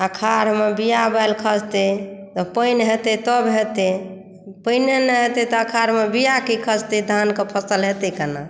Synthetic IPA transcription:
əkʰaɾmebijabajlkʰəd͡ʒt̪et̪ɔpəjnɦet̪et̪ɔbɦet̪e | pəɪnenəɦet̪et̪ɔəkʰaɾmebijakikʰəd͡ʒt̪ed̪ʱankepʰəsəlɦet̪ekəna̰

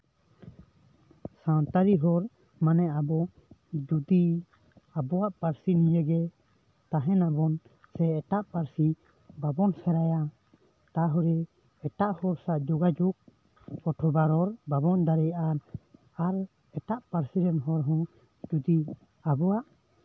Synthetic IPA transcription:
sãnt̪aɾiɦɔɾ | manɛabɔ | d͡ʒud̪i | abɔwaʔpaɾsinijɛɡɛ | t̪aɦɛnabɔn | sɛɛʈaʔpaɾsi | babɔnsɛɾaja | t̪aɦɔɾɛ | ɛʈaʔhɔɾsaʔd͡ʒɔɡad͡ʒuk̚ | ɔʈʰɔbaɾɔɾbabɔnd̪aɾɛjʔaɾ | aɾ | ɛʈaʔpaɾsiɾɛnɦɔɾɦɔ̃ | d͡ʒud̪i | abɔwaʔ

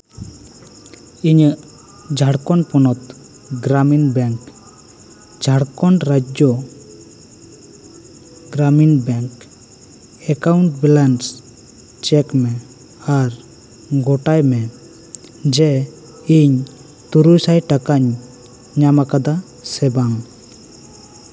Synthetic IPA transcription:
iɲ | d͡ʒʱaɽkɔɳpɔnɔt̪̚ | ɡɾaminbɛŋk | d͡ʒʱaɽkɔɳɾad͡ʒjɔ | ɡɾaminbɛŋk | ɛkawɳʈ̚bɛlans | t͡ʃɛkmɛ | aɾ | ɡɔʈajmɛ | d͡ʒɛ | iɲ | t̪uɾujsajʈakaɲː | amakad̪a | sɛbaŋ

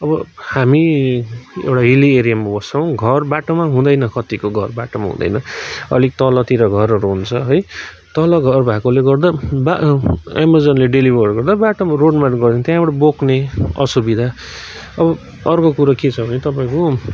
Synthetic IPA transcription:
ʌbʌhami | ḛwʈaɦilieɾijamːabʌsaw̃ɡʱʌrbaʈomaɦũd̪ʌjnʌkʌt̪ikoɡʱʌrbaʈoma̰ɦṵ̃d̪ʌ̰jnʌʌ̰lik̚t̪ʌlʌt̪iɾʌɡʱʌɾʌɾuɦunt͡sʰʌɦʌj | t̪ʌlʌɡʱʌrbʱakoleɡʌrd̪abaemʌd͡zʌnleɖelibʱʌrɡʌrd̪abaʈomaroɖmanɡʌrd̪ent̪jãbʌʈʌbokʰneʌ̰subid̪ʱa | ʌbʌ | ʌrkokuɾaket͡sʰʌbʱʌnet̪ʌp̬ãĩko

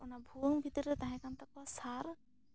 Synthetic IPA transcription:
ɔnabʱuwəŋbʱit̪ɔɾət̪aɦɛ̃kant̪ak̚asaɾ

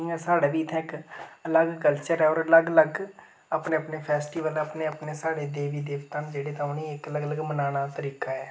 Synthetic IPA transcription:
iɛːsaːɽaːʋiːt̪ʰɛ̃ːɪkələɡkəlt͡ʃəɾɛːɔːɾələɡələɡ | aːpneːəpneːpʰɛːsʈiːʋəlaːpneːəpneːsaːɽeːd̪eːʋiːd̪eːʋt̪ãːnd͡ʒeːɽeːt̪ãːɦʊniːɪkələɡələɡmənaːñaːt̪əɾiːkaːɛː

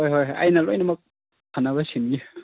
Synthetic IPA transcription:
ojɦojjɐ̰jnɐlojnɐmɐk̚ | kʰanaβɐsimɡi

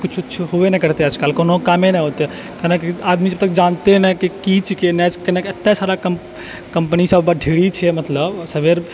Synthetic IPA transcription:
kut͡ʃʰːtːʃʰɦoenɛkəɾt̪eəd͡ʒkaːlkonokamenɛɦot̪e | kenekiad̪mid͡ʒəb̚t̪əkd͡ʒant̪enɛkikit͡ʃikenɛd͡ʒkenɛkət̪ːesaɾakəm | kəmpnisəbbəɖʱiɽit͡ʃʰɛmət̪ləbsəbeɾ

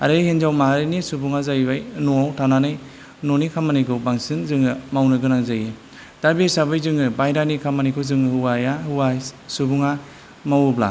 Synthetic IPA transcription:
a̰ɾɯhenzawmaɦaɾenisubuŋazajbajnuawtʰananɯj | nonikʰamanikʰɯwbaŋsinzɯŋɯmawnɯɡɯnazaji | d̥abesabajzɯŋɯbajɾanikʰamanijkʰɯzɯŋɯhɯwajahɯwasubuŋa | mawubla̰

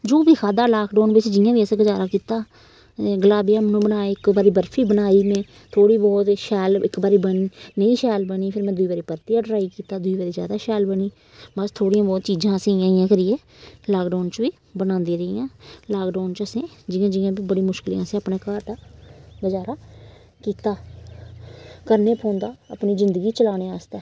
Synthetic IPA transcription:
d͡ʒoːʋiːkʰaːd̪aːlaːkɖoːnbɪsːd͡ʒɪjãːʋiːəsẽːɡəd͡ʒaːɾaːkiːt̪aː | ɡəlaːbijãːmɛnũːbənaːeːɪkbaːɾiːbəɾfʰiːbənaːiːmɛ̃ː | t̪ʰoːɽiːbɔːt̪ʃɛːlɪkbaːɾiːbəniːnəĩːʃɛːlbəniːpʰɪɾmɛ̃ːd̪ʊiːbaːɾiːpəɾt̪iːãːɖəɾaːiːkiːt̪aːd̪ʊiːbaːɾiːzja̰ːd̪aːʃɛːlbəniː | bəst̪ʰoːɽijãːbɔːt̪t͡ʃiːd͡ʒãːəsẽːãːɪjãːkəɾiːeː | laːkɖaːnt͡ʃʋiː | bənãːnd̪iːɾəiːãːlaːkɖaːnt͡ʃəsẽːd͡ʒɪãːd͡ʒɪãːbiːbəɽĩːmʊʃkɪlḭãːsẽːəpneːkaːɾd̪aːɡəd͡ʒaːɾaː | kiːt̪aː | kəɾneːpʰõːnd̪aːəːpniːzɪnd̪əɡiːt͡ʃəlaːñeːaːst̪ɛː

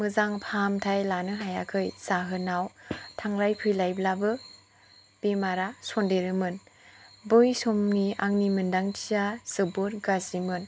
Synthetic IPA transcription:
mɯzaŋpʰamtʰajlanɯɦajakʰɯjzaɦɯnawtʰaŋɾajpʰɯjlajblabɯ | b̥emaɾasondeɾɯmɯnbɯjsomniaŋnimɯndaŋtʰijaz̥ɯbuɾɡazimɯn

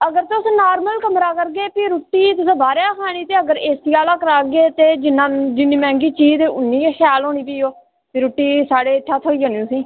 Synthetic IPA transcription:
əɡəɾt̪ʊsnaːɾməlkəmɾaːkəɾɡeːpiɾuʈːiːt̪ʊsãːbaːɾeːkʰaːɽ̃iːt̪eːəɡəɾeːsiaːlaːkəɾaːɡeːt̪eːd͡ʒɪnːãːd͡ʒɪnːiːmɛ̃ːŋɡiːt͡ʃiːd̪eːʔʊnːĩːexʰaːloːɽ̃iːpiːoː | piɾuːʈːiːsaːɽeːt̪ʰːaːt̪ʰoːiːd͡ʒaːniːsĩː

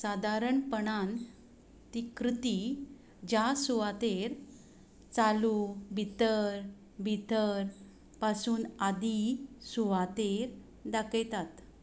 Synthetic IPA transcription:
sad̪ʱaɾəɳpəɳan | t̪ikɾit̪i | d͡ʑasuʋat̪eɾ | t͡salubʱit̪əɾ | bʱit̪əɾ | pasuːnad̪isuʋat̪eɾ | d̪akejt̪at̪

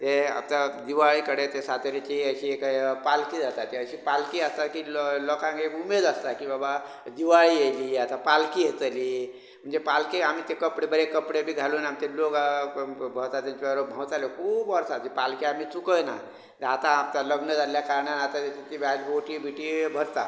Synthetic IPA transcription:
t̪ea̰p̚t̪ad̪iʋaɭikəɽet̪esat̪eɾet͡ʃiəsiekpalkid̪at̪at̪eəsipalkiəst̪akilɔkãkeumed̪əst̪akibaba | d̪iʋaɭieliat̪apalkiɦet̪əli | m̤ənd͡ʒepalkiamit̪ekəpɽebəɾekəpɽebʱiɡʱalunamit̪elok | bʱəɾt̪at̪int͡ʃiɾobʱãt̪alekubəɾsat̪ipalkiamit͡ʃukəjna̰ | t̪at̪ap̚t̪aləɡnəd͡zaljakaɾnanat̪at̪et̪it̪ibaloʈibʱiʈibʱəɾt̪a̰

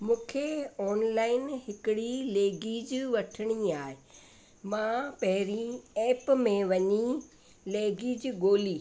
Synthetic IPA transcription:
mũːkʰeɔːnlaːɪnɦɪkɪɽileːɡiːd͡ʑʋɐʈʰəɽ̃iaːɦe | mãːpɐɦɪɾieːpmẽʋɐɲi | leːɡid͡ʑɡoːliː

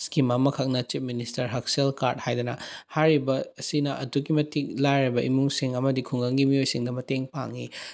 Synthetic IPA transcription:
skimamɐkʰak̚nɐt͡ʃip̚ministɐɾɦɐk̚selkaɾt̚hajd̪ɐnɐ̰hajɾibɐɐsinɐʔɐtuɡimɐtik̚lajɾɐbɐʔimuŋsiŋɐmɐdikʰuŋɐŋɡimijojsiŋdɐmɐteŋpa̰ŋi

